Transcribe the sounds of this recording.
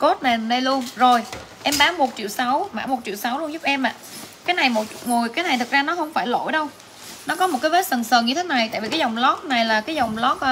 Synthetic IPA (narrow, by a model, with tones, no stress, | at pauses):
ko˦˥t̚na˨˩jnə˧jlu˧ənzo˨˩j | ʔɛ˧mɓaː˨˦mo˨˩t̚t͡ɕḭ˧˨əwsa˨˦wma̰ː˧˩mo˨˩t̚t͡ɕḭ˧˨əwsa˨˦wlu˧ənzʊ˦˥p̚ʔɛ˧mʔa̰ː˧˨kaː˨˦jna˨˩jmo˨˩t̚ŋu˨˩əjkaː˨˦na˨˩jt̪ʰk̚zaː˧nɔ˨˦hə˧wŋ͡mfaː˧˩jlo̰˧˩jɗə˧w | nɔ˨˦kɔ˨˦mo˨˩t̚kaː˨˦ve˦˥t̚sə˨˩nsəː˨˩nɲɨ˧t̪ʰe˨˦na˨˩jt̪a̰ː˧˨jvi˨˩kaː˨˦zɔ˨˩wŋ͡mlɔ˦˥k̚na˨˩jlaː˨˩kaː˨˦jzɔ˨˩wŋ͡mlɔ˦˥k̚ː